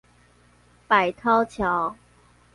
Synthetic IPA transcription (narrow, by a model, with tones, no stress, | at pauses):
pa˨˩ɪt̪ʰɑ˦ʊt͡ɕʰjɑ˨˦ʊ